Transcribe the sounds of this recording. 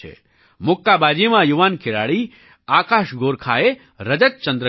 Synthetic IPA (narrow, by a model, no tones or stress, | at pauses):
ḛ | mʊkːabaːd͡ʒemãjuʋaːnkʰeɾa̰ːɭi | aːkaːʃɡoːɾkʰae | ɾəd͡ʒət̚t͡ʃənd̪ɾə